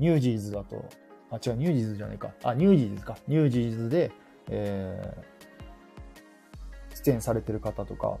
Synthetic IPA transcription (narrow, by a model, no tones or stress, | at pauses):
ɲʲɨːd͡ʑiːzɨd̪at̪o̞̰ | at͡ɕikaɲ̟ɨːʑiːzɨʑana̰ika̰aɲ̟ʲɨːʑiːzzɨ̥kaɲʲɨːʑiːzɨd̪e̞ | eː | ɕi̥t̪ẽɰ̃saɾe̞t̪e̞ɾɯ̟kat̪at̪o̞ka̰